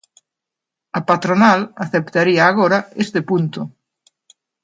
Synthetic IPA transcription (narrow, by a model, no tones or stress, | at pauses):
ɐpat̪ɾonalaθept̪aɾiaːɣoɾɐest̪epunt̪ʊ